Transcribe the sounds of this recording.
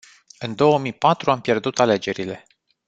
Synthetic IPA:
ɨnd̪o̞wəmijpat̪ɾuampje̞rd̪ut̪ale̞d͡ʒe̞ɾile̞

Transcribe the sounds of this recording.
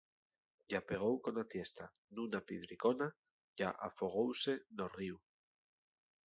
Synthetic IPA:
ʝape̞ɣ̞owko̞nat̪jest̪a | nũnapiðɾikona | ʝaʔa̰foɣ̞owse̞noriw

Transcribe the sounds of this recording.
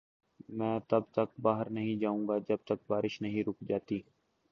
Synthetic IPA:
mɛ̃ːt̪ɐbt̪ək̚baːɦəɾnəɦĩd͡ʒaːũːŋɡaːd͡ʒəb̚t̪ək̚baːɾɪʃnəɦĩːɾʊkʰd͡ʒaːt̪iː

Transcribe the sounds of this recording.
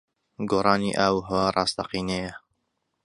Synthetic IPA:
ɡoːrˤɑːniʔawɦwarˤɑːst̪ɐqiːnejɐ

